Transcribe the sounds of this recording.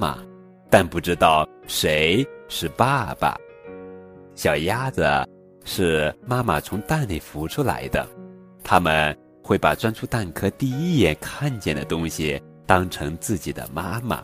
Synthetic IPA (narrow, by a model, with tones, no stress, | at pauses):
ma̰˨˩ | t̪a˥˧npu˥˩ʈ͡ʂɻ̩˥t̪ɑ˥˩ʊʂe˧˥ɪʂɻ̩˥˩pa˥˩b̥a̰˩ | ɕjɑ˨˩ʊja˥də˩ | ʂɻ̩˥˩ma˥ma˨˩t͡sʰʊ˧˥ŋt̪a˥˧nle˥˩ɪfu˧˥ʈ͡ʂʰu˥la̰˧˥ɪd̪ə̰˧ | t̪ʰa˥mə˨n | xwe˥˩ɪpa˨˩t͡swa˥nʈ͡ʂʰu˥t̪a˥˩nkʰɤ˥t̪i˥˩i˥jɛ˥˧nkʰa˥˧nt͡ɕjɛ˥˩nd̪ə̰˩t̪ʊ˥ŋɕi˨˩ | t̪ɑ˥ŋʈ͡ʂʰɤ˧˥ŋt͡sɹ̩˥˩t͡ɕi˨˩d̪ə̰˦ma˥ma̰˨˩